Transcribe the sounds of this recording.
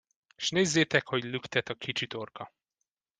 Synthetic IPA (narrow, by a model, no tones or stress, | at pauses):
ʃneːzːeːt̪ɛkho̞ɟlykt̪ɛt̪ɒkʰit͡ʃit̪o̞rkɒ